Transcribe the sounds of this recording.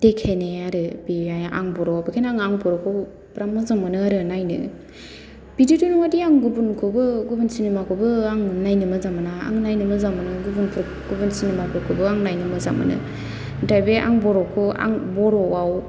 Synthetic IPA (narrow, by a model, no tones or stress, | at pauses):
d̥ekʰeneaɾɯbiaja̰ŋbɔɾɔabekʰenaŋaŋbɔɾɔkʰo | bɾamːazamɯnɯaɾɯnajnɯ̰ | b̥ididunuŋadiaŋɡubunkʰobɯɡubunsinemakʰɯbɯaŋnajnɯmɯzamɯnaa̰ŋnajnɯmɯzamɯnɯɡubunpʰɾ | ɡ̥ubunsinemapʰuɾkʰobɯaŋnajnɯmɯza̰mɯ̰nɯ̰ | dajbeʔa̰ŋbɔɾɔkʰoa̰ŋbɔɾɔwaw